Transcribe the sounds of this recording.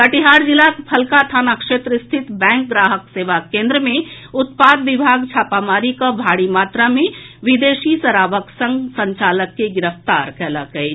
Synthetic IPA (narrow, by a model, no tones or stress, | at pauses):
kəʈiɦaːɾd͡ʒilapʰəlkat̪ʰaːnakʃeːt̪ɾst̪ʰɪt̪bɛ̃ːŋk̚ɡɾaːɦəkseːʋakẽːnd̪ɾəmẽ | ʊt̪paːd̪ʋɪbʱaːɡt͡ʃʰaːpamaːɾikabʱaːɽimaːt̪ɾamẽʋid̪eːʃisəɾaːʋəksə̃ŋɡsə̃ɲt͡ʃaːləkːeɡɪɾəft̪aɾkɛɦla̰kəe